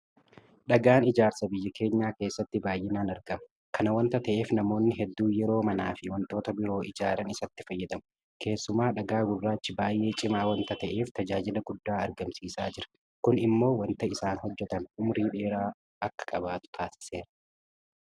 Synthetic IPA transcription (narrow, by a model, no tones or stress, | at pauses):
ᶑɐɡaːnɪd͡ʒaːɾsɐbɪjːɐkʰe̞ːɲːaːke̞ːsːɐt̪ːɪbaːjʔɪnaːnɐɾɡɐmɐ | kʰɐnɐwɐnt̪ɐt̪ɐʔe̞ːfnɐmo̞ːnːɪɦɛd̪ːuːjɛɾo̞ːmɐnaːfɪwɐnt̪o̞ːt̪ɐbɪɾo̞ːʔɪd͡ʒaːɾɐnɪsɐt̪ːɪfɐjːɛd̪ɐmʊ̥ | kʰe̞ːsːʊmaːᶑɐɡaːɡʊrːaːt͡ʃːɪbaːjʔe̞ːt͡ʃʼɪmaːwɐnt̪ɐt̪ɐʔe̞ːft̪ɐd͡ʒaːd͡ʒɪlɐɡʊd̪ːaːɐɾɡɐmsiːsaːd͡ʒɪɾɐ̥ | kʊnɪmːo̞ːwɐnt̪ɐɪsaːnhɔd͡ʒːɛt̪ɐnʊmɾiːᶑe̞ːɾaː | ɐkːɐ̥kʼɐbaːt̪ʊ̥t̪ʰaːsɪ̥se̞ːɾɐ̥